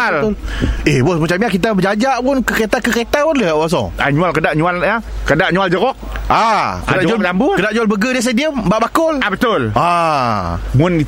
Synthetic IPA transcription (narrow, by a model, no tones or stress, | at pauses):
al | ehbɔsmat͡ʃamɲakit̪̬abəd͡ʒad͡ʒaʔpʊnkəket̪akəket̪apʊnləaʔwas̬ɔ̰a̰ɲualkədaʔɲualakədaʔɲuald͡ʒəɣɔk̚akədad͡ʒaambʊkədaʔɲualbəɡədis̬adiəmbaʔbakʊlabət̪ʊla | mʊni